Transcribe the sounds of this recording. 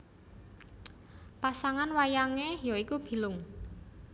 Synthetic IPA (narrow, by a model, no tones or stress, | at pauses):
pasaŋanwajaŋejoikub̥i̤lʊŋ